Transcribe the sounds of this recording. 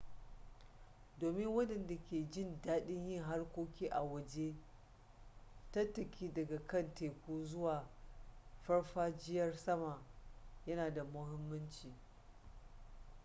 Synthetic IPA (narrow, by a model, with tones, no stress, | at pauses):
doː˨mɪ˦ŋwɐ˦ɗɐ˨nda˨kʲeː˨d͡ʒɪ˦˨ndaː˦ɗɪ˦ɲjɪ˦˨ŋɦa˦rkʷoː˦kʲiː˦ʔa˨wɐ˨d͡ʒe˦ | tɐ˦tɐ˨kʲʰiː˦dɐ˨ɡa˨kɐ˦˨nteː˨kʷuː˦zʊ˦waː˨ | ɸɐ˦ɽɸaː˦d͡ʒɪ˦jɐ˦rsɐ˦ma˨jɐ˦naː˨da˨mʊ˦hɪ˦mːɐ˦nt͡ʃiː˨